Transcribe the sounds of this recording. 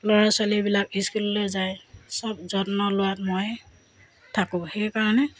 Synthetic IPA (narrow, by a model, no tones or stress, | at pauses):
lɔɹasalibilakiskulːojzajsɔb̚zɔtnɔlʊwatmoj | tʰakʊ̃xɛjkaɹɔnɛ